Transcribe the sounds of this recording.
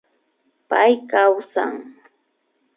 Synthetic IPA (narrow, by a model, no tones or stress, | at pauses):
pajkawsa̰ŋ